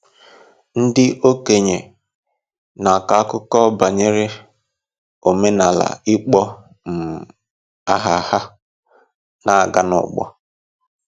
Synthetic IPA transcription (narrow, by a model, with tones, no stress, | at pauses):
n̩˦dɪ˦ʔo˦ke˨ɲe˨ | na˨ka˨a˦kʊ˦kɔ˦ba˨ɲe˦ɾe˦ | o˨me˦na˨la̰˨ɪ˦k͡pɔ˦ | m̩˨ | a˦ɦa˨ha˦ | na˨a˨ɡa˦nʊ̰˨ɡ͡bɔ̰˦